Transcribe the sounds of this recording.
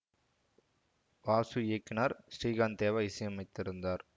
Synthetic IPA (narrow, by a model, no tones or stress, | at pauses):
ʋaːsuekːnaːɾsɾiːɣaːnt̪eːʋɐɪsɐjɐmɐɪt̪ːɪɾɯnd̪aːɾ